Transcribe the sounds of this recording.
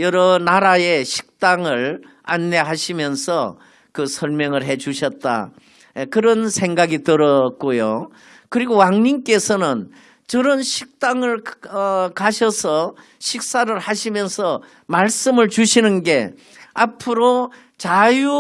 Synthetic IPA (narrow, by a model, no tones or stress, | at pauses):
jʌɾʌnaɾaeɕʰi̥k̚t͈aŋɯɭ | a̰nːe̞ɦaɕʰimjʌnsʰʌ | kɯsʰʌɭmjʌŋɯɭɦe̞t͡ɕuɕʰʌt̚t͈a̰ | ekɯɾʌnsʰe̞ŋɡaɡitɯɾʌk̚k͈ojo | kɯɾiɡowaŋɲimk͈e̞sʰʌnɯn | t͡ɕɯɾʌnɕʰik̚t͈aŋɯɭʌkaɕʰʌsʰʌ | ɕʰik̚s͈aɾɯɭhaɕʰimjʌnsʰʌ | maɭs͈ɯmɯɭt͡ɕuɕʰinɯnɡe̞ | apʰɯɾo | t͡ɕaju